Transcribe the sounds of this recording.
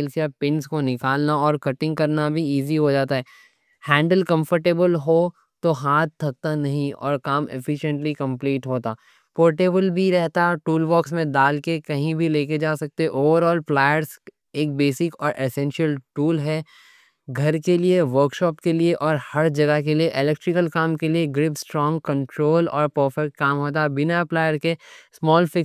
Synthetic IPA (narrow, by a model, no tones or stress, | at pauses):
lkjapɪ̃nskonɪkaːlnaɔːɾkɐʈɪ̃ŋɡ̚kɐɾnabʱiiːziɦod͡ʒaːt̪aɦɛː | hɛ̃ːɳɖəlkɐ̃mfəɾʈeːbəlɦo | t̪oɦaːt̪̚t̪ʰːɐk̚t̪anɐɦĩɔ̰ːɾkaːmɪ̰fɪʃə̃ɳʈlikɐ̃mpliːʈɦoːt̪aː | poːɾʈeːbəlbʱiɾɛɦt̪aʈuːlbɔːksmẽd̪aːlkekɐɦĩbʱileːk̬ed͡ʒaːsɐk̚t̪eʔoːʋəɾɔːlplaːjəɾs | eːk̚beːsɪkɔːɾʔesɛ̃ːnʃiəlʈuːlɦɛː | ɡʱɐɾkelieʋəɾkʃɔːpkelieʔɔːɾhɐɾd͡ʒɐɡəɦkelieʔɪlɛk̚ʈɾɪkəlkaːmkelieɡɾɪpsʈɾɔ̃ːŋɡkɐ̃ɳʈɾoːlɔ̰ːɾpoːfɛʈ̚kaːmɦoːt̪̬aɛbɪnaplaːjəɾkesmɔːlfɪk